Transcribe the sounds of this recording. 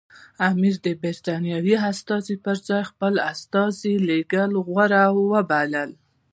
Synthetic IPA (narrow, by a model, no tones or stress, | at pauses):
amiɾd̪əbɪɾt̪ɑnjɑwiast̪ɑzipəɾzɑjxpəlast̪ɑzileɡəlɣwaɾawːəbaləl